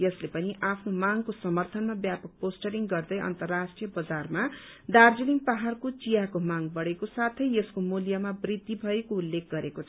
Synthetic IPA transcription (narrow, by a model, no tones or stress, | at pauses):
jʌslepʌniʔapʰnomaŋkosʌmʌrt̪ʰʌnmabjapʌk̚posʈʌɾiŋɡʌrd̪ʌjʌ̰nt̪ʌrːasʈrijʌbʌd͡zarma | d̪ard͡ziliŋpaɦarkot͡sijakomaŋbʌɽekosat̪ʰʌjʌskomuljamabrid̪ːibʱʌekoulːek̚ʰɡʌɾekot͡sʰ